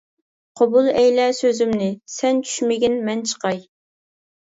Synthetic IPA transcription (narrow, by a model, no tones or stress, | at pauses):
qʰobulˠɛjlɛsøzymnɪsɛnt͡ʃʰy̥ʃmɪɡʲinmɛnt͡ʃʰə̥qɑj